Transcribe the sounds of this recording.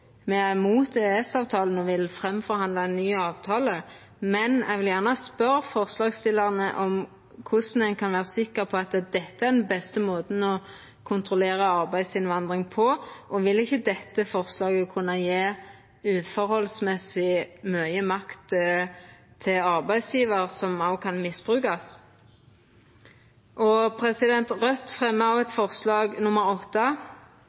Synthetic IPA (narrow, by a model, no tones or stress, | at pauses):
mɛæmuːt̪eɛsɑːʋt̪ʰɑːln̩ɔʋɪlfɾɛmfɔɾhɑnd̪lɑɛnːyːɑːʋt̪ʰɑːlə | mɛnɛ̰ɪʋɪljæʁnəspœɾfɔʁslɑːɡst̪ɪləʁnəʔɔm | kʰʊsn̩ɛɪnkʰɑnʋæːʁəsɪkːəʁpʰɔɑt̪d̪ɛt̪ːəæʁd̪ɛnbɛst̪əmoːt̪n̩ɔ | kʰʊnt̪ʰʁʊleːɾəɑʁbæɪsɪnʋɑnd̪ʁɪŋpʰɔʔɔʋɪlɪçːəd̪ɛt̪ːəfɔʁslɑːɡəkʰʉnːɑjeː | ʉːfɔɾhɔlsmɛsɪmœʏəmɑkt̪ | t̪ʰɪlɑʁbæɪsjiːʋəʁsɔmɑʊkʰɑnmɪsb̥ʁʉːkɑs | ʔɔpʰɾɛsɪd̪ɛnt̪ʁœt̪fʁɛmːəɑʋɛt̪fɔʁslɑːɡnʊməɾɔt̪ːə